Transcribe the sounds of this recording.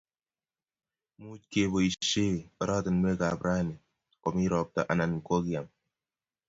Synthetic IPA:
mu˦t͡ʃke˨bo˨i˨ʃe˦ɔ˨ɾa˦tə˨n˦be˦ka˨bɾa˦ni˨ | kɔ˨mi˦ɾɔ˨p̚ta̰˨ʔa˨na˨nko˦ki˦a˨m

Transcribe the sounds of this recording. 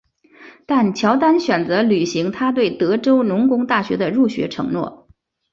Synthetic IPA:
t̪a˥˩nt͡ɕʰjɑ˧˥ʊt̪a˥nɕɥɛ˨˩nt͡sɤ˧˥ly˨˩ɕi˧˥ŋt̪ʰa˥t̪we˥˩ɪt̪ɤ˧˥ʈ͡ʂo˥ʊnʊ˧˥ŋkʊ˧˥ŋt̪a˥˩ɕɥɛ̰˧˥d̪ə˧ɻu˥˩ɕɥɛ̰˧˥ʈ͡ʂʰɤ̰˧˥ŋnwɔ̰˥˩

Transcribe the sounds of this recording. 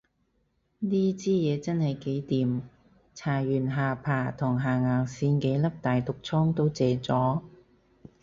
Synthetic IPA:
niː˥t͡siː˥jɛː˨˧t͡sɐ˥nhɐ˨jke˨˥jt̪iː˨m | t͡sʰaː˨˩jyː˨˩nɦaː˨pʰaː˨˩t̪ʰʊ˨˩ŋɦaː˨˩ŋaː˨˩ŋsiː˧nke˨˥jlɐ˥p̚t̪aː˨jt̪ʊ˨k̚t͡sʰɔː˥ŋt̪o˥wt͡sɛː˨˧t͡sɔː˨˥

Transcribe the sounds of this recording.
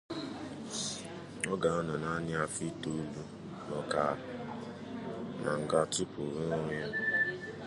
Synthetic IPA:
ɔ˦ɡa˨ɔ˦nɔ˨na˦nɪ˦a˨fi˦tu˦lu˦ | nɔ˨ka˨ | na̰˨ŋ̩˨ɡa˦ti˦pʊ˨ɾo˦o˦ɲ˦a˦

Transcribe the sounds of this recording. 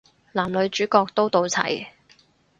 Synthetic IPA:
laː˨˩mlɵ˨˧ɥt͡ʃyː˨˥kɔː˧k̚t̪o˥wt̪o˨˧wt͡sʰɐ̰˨˩j

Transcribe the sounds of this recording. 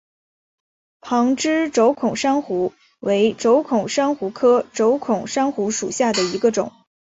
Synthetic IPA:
pʰɑ˧˥ŋʈ͡ʂɻ̩˥ʈ͡ʂo˧˥ʊkʰʊ˨˩ŋʂɑ˥ŋxu˧˥ | we˧˥ɪʈ͡ʂo˧˥ʊkʰʊ˨˩ŋʂɑ˥ŋxu˧˥kʰɤ˥ʈ͡ʂo˧˥ʊkʰʊ˨˩ŋʂɑ˥ŋxu˧˥ʂu˨˩ɕja˥˩d̪ə˩i˧˥ɡə˧ʈ͡ʂʊ̰˨˩˦ŋ

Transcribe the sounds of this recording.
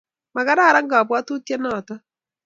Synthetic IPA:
ma˨ɣa˦ɾaː˦˨ɾa˦ŋɡaː˨βwa˦tu˦tja˦naː˨ta˦

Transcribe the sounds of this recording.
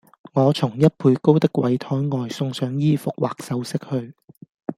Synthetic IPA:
ŋɔː˨˧t͡sʰʊ˨˩ŋjɐ˥t̚pʰuː˧jko˥wt̪ɪ˥kwɐ˨˥jt̪ʰɔː˨˥jŋɔː˨˧jsʊ˧ŋsœː˨˥ŋjiː˥fʊ˨k̚waː˨k̚sɐ˨˥wsɪ˥k̚hɵ˧ɥ

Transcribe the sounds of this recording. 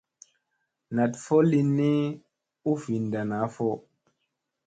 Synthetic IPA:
na˨tfo˦li˧nːi˦ | u˦fi˨nda˨na˨˦fɔ˦

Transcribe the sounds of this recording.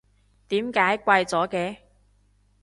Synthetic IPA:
t̪iː˨˥mkaː˨˥jkʷɐ˧jt͡sɔː˨˥kɛː˧

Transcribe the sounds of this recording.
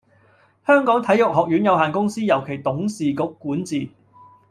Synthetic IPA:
hœː˥ŋkɔː˨˥ŋt̪ʰɐ˨˥jʊ˨k̚ɦɔː˨k̚jyː˨˥njɐ˨˧whaː˨nkʊ˥ŋsiː˥jɐ˨˩wkʰe˨˩jt̪ʊ˨˥ŋsiː˨kʊ˨˥kːuː˨˥nt͡siː˨

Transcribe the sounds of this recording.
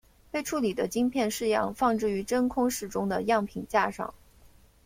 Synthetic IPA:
pe˥˧ɪʈ͡ʂʰu˥˩li˨˩d̪ə˦t͡ɕi˥ŋpʰjɛ˥˧nʂɻ̩˥˧jɑ̰˥˧ŋfɑ˥˧ŋʈ͡ʂɻ̩˥˩y˧˥ʈ͡ʂə˥nkʰʊ˥ŋʂɻ̩˥˩ʈ͡ʂʊ˥ŋd̪ə˨jɑ˥˩ŋpʰi˨˩nt͡ɕja˥˧ʂɑ̰˥˩˦ŋ

